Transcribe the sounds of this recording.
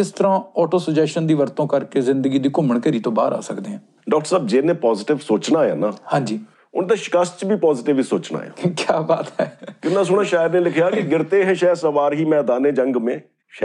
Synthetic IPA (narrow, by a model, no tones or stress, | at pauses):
ɪst̪əɾãːɔːʈoːsəd͡ʒɛːʃənd̪iːʋəɾt̪õːkəɾkeːzɪ̃nd̪əɡiːd̪iːkʊməɳkəɾiːt̪õːba̰ːɾa̰ːsəkd̪eːɦɛ̃ | ɖɔːk̚ʈəɾsəːb̚d͡ʒeːnẽːpɔːzɪʈɪʋsoːt͡ʃnaːja̰ːnaːhãːɲd͡ʒiː | ʊnt̪ẽːʃɪ̥kəst͡ʃbiːpɔːzɪʈɪʋiːsoːt͡ʃna̰ːja̰ːkjaːbaːt̪ɛːkɪnãːs̬ʊɽ̃aːʃaːjəɾnẽːlɪkʰjaːkɪɡɪɾt̪eːɦɛ̃ːʃɛːsəʋaːɾɦiːmɛ̃ːd̪aːnẽːd͡ʒəŋɡmẽː | ʃ